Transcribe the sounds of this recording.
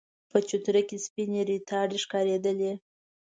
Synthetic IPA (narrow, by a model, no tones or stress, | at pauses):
pət͡ʃut̪ɾəkʲespineɾit̪ʰɑɖeʂkɑɾed̪əle